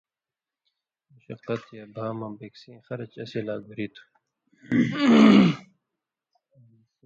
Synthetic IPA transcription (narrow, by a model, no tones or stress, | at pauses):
muɕɐ̰qːɐt̪jabʱaːmɐ̃beksẽːxɐɾɐt͡ʃɐsilaːɡuɾit̪ʰu̥